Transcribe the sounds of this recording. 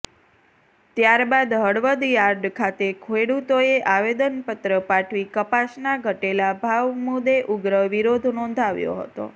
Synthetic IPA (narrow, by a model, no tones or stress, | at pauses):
t̪jaɾbad̪ɦəɽʋəd̪jaɾd̪kʰat̪ekʰeɽut̪oeʔaʋed̪ənpət̪ɾəpaʈʰʋikəpasnaɡʱəʈelabʱaʋmud̪eʔuɡɾəʋiɾod̪ʱnɔ̃nd̪ʱaʋjo̰ɦə̰t̪o̰